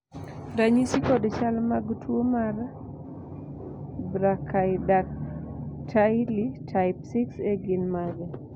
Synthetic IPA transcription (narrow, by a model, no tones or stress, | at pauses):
ɾaɲisikɔdt͡ʃalmaɡtʰwomar | bɾakʰajdak̚ | tʰajlitʰaɪpsikseɡɪnmaɡɛ